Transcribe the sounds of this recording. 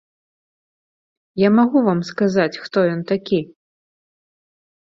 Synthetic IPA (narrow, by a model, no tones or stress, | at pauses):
jamaɣuvamskazat͡sʲxt̪ɔjɔnt̪akʲi